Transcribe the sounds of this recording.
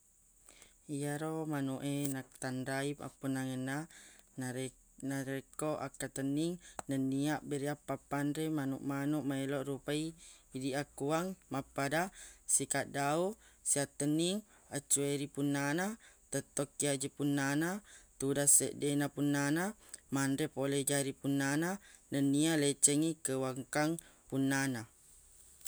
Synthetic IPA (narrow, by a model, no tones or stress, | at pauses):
iaɾomanuʔenak̚t̪andaipa̰pːunːaŋənːana | naɾekoʔa̰kːat̪ənːiŋnənːiaʔbeɾiapːapːanɾemanṵʔmanuʔmaeloʔɾupaiːdiakːuaŋmapːadasikaʔ̚dausiat̪ːəniŋ | at͡ʃːueɾipunːanat̪ət̪ːɔkːiad͡ʒipunːanat̪udaseʔdenapunːanamandɾepolɛd͡ʒaɾipunːananənːialet͡ʃəŋikəwaŋkaŋpunːana